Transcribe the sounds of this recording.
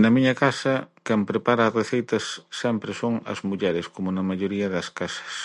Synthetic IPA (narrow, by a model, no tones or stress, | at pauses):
nɐmiɲɐkasɐkɛmpɾepaɾɐːreθejt̪ɐsːɛmpɾɪsoŋɐ̰zmuʎɛɾɪskomʊnɐmaʎoɾiɐðɐskasɐ̥s